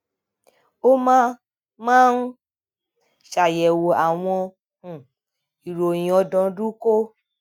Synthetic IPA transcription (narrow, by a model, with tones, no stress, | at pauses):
o˦mã˦ | mãː˦n̩˦ | ʃa˨jɛ˨wo˨a˨w̃ɔ̃˧˨ | i˨ɾo˨jĩ˨ɔ˨˧dɔ̃˧˦du˦ko˦